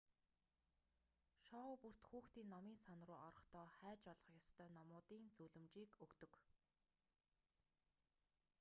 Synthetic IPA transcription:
ʃɔpur̥t̪xuːxt̪iːnːɔmiːnsɔnrʊːʔɔɾɞ̆χt̪ʰɔːχæːt͡ɕɔɮɞ̥̆χjɔst̪ʰœːnɔmʊːt̪iːnt͡suɮɵ̆mt͡ɕiːkɵkt̪ɵ̆k

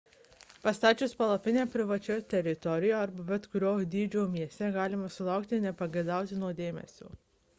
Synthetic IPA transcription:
pɐst̪ɑːt͡ʃʲʊspɐlˠɐpʲɪnʲeːpʲɾʲɪʋɐt͡ʃʲɛt̪ʲɛɾʲɪt̪ɔɾʲɪjoːɐɾbɐbʲɛt̪kʊɾʲoːd̪ʲiːd͡ʒʲoːmʲiɛsʲt̪ʲɛɡɑːlʲɪmɐsʊlˠɑˑʊkt̪ʲɪnʲɛpɐɡʲɐɪd̪ɑˑʊt̪ʲɪnuɔd̪ʲeːmʲɛ̰sʲo̰ː

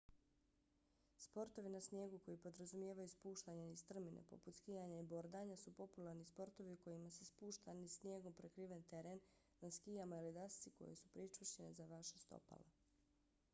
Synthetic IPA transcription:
spo̞ɾt̪o̞ʋinasnje̞ːɡuko̞jipo̞d̪ɾazumje̞ːʋajuspuːʃt̪aɲanist̪r̩minḛpo̞̰put̪skijaɲaibo̞ɾd̪aɲasupo̞pulˠaɾnispo̞ɾt̪o̞ʋiuko̞jimasespuːʃt̪anisnje̞ːɡo̞mpɾekɾiʋent̪eɾen | naskijamailid̪ast̪siko̞̰jḛsu̥pɾit͡ʃuʃt͡ɕenezaʋaʃest̪o̰pa̰la

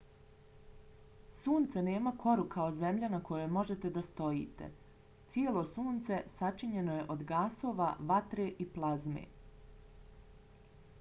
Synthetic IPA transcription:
suːnt̪seneːmakʰo̞ɾukʰaozemʎanako̞jo̞jmo̞ʒet̪e̞d̪ast̪o̞jḭːt̪ḛ | t̪sielˠo̞suːnt̪se̞sat͡ʃiɲe̞noje̞ʔod̪ɡaːso̞ːʋaʋat̪ɾe̞ʔiplˠazmḛ

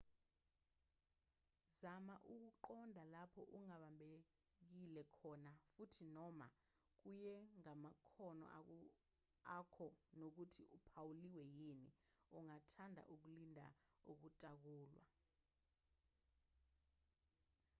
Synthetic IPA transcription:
zamaʔuk̬uǃɔndʱalapʰɔ̰ʔuŋaɓambʱe | k̬ilɛkʰɔnafutʰinɔma̰ | k̬ujɛŋamakʰɔnɔ̰ | akʰɔnok̬utʰiupʰawuliwɛjiniuŋatʰandʱa̰ʔuk̬ulindʱa̰ok̬utʼak̬uːlwa̰

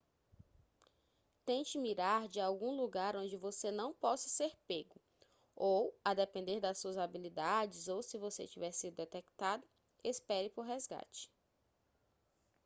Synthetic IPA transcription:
t̪ẽt͡ʃɪmiɾaɾd͡ʒɪawɡũluɡaɾõnd͡ʒɪvosenɐ̃w̃pɔsɐ̥seɾpeɡʊ | owad̪ɛpẽnd̪eɾd̪ɐsuɐzabilid̪ad͡ʒɪzowsɪvosḛt͡ʃivɛɾsid̪ʊd̪ɛt̪ɛkt̪ad̪ʊ | espɛɾɪpoɾɦɛzɡa̰t͡ʃɪ̥

